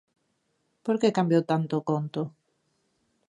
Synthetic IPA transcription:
poɾkekambjowt̪ant̪okont̪ʊ

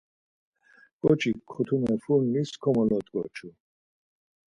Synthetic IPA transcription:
kʼɔt͡ʃʰikʰɔt̪ʰumɛfunːiskʰɔmɔlɔt̪kʼɔ̰t͡ʃʰu

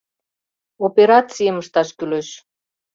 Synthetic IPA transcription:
opeɾɑt͡sijəməʃt̪ɑʃkyløʃ

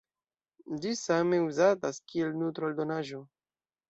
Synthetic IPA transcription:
d͡ʒisame̞uzataskie̞lnut̪ɾoldo̞naʒo̞

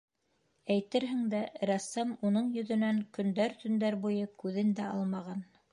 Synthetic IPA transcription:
æjt̪ɘɾɦɘ̆ŋd̪æɾɑsːɑmunɤɴjɵ̆ðɵ̆næŋkɵ̆nd̪æɾt̪ɵ̆nd̪æɾbujɤkʉðɘnd̪æʔɑlˠmɑʁɑn

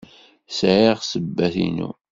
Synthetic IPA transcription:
sʕiʁsəbːæθḭnṵ

